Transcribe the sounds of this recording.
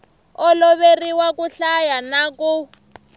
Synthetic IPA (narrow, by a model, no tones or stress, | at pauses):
ɔlɔβeriwakuɬajanaku